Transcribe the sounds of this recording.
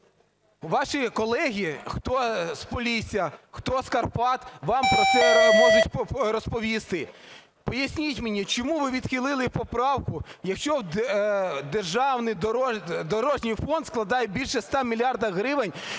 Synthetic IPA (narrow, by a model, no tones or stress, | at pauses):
ʋɑʃikɔlˠɛɦʲixt̪ɔspɔlʲisʲijɐxt̪ɔskɐrpɑt̪ʋɑmpɾɔt̪sɛmɔʒʊtʲɾɔspɔʋʲist̪ɪ | pɔjɐsʲnʲiʊtʲmenʲit͡ʃɔmuʋɪʋʲid̪̥xilˠɪlˠɪpɔpɾɑwkʊjɐkʃt͡ʃɔw | d̪erʒɑwnɪjd̪ɔd̪ɔɾɔʒnʲɪjfɔnd̪sklˠɐd̪ɑjɛbʲilʲʃɛst̪ɑmʲilʲjɑrd̪ɐɦɾɪʋɪnʲ